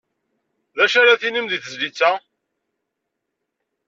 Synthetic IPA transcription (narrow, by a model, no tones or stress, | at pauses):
ðæʃaɾaθinimðiθəzlit͡sːæ